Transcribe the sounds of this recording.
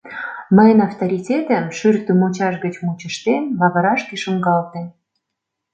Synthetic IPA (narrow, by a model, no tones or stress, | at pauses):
məjənɑft̪oɾʲitʲet̪əmʃyrt̪ymot͡ɕɑʃɡət͡ɕmut͡ɕə̆ʃt̪emlɑβə̆ɾɑʃkeʃəŋɡɑlt̪e